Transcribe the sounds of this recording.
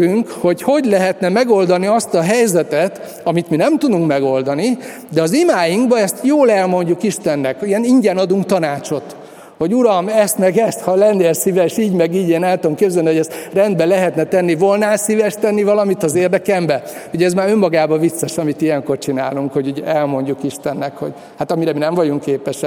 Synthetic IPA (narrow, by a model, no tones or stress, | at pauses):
yŋkho̞cho̞ɟlɛɦɛt̪nɛmɛɡo̞ld̪ɒniɒst̪ɒɦɛjzɛt̪ɛt̪ | ɒmit̪minɛmt̪ud̪uŋkmɛɡo̞ld̪ɒni | d̪ɛɒzimaːjiŋɡbɒɛst̪joːlɛlmo̞ɲɟukiʃt̪ɛnːɛkijɛniɲɟɛnɒd̪uŋkt̪ɒnaːt͡ʃo̞t̪ | ho̞ɟuɾɒmɛst̪mɛɡɛst̪hɒlɛnd̪eːlsivɛʃiːɟmɛɡiːɟeːnaːt̪omkebzɛlniho̞ɟɛst̪rɛnd̪̚bɛlɛɦɛt̪nɛt̪ɛnːivo̞lnaːsivɛʃt̪ɛnːivɒlɒmit̪ɒzeːrd̪ɛkɛmbɛ | hoɟɛzmaːɾø̞mːɒɡaːbɒvit̪sɒʃɒmit̪ijɛŋko̞rt͡ʃina̰ːluŋkho̞ɟuɟɛlmo̞ɲɟukiʃt̪ɛnːɛkho̞̰ɟ | hat̪ɒmiɾɛminɛɱvɒɟuŋkːeːpɛʃɛ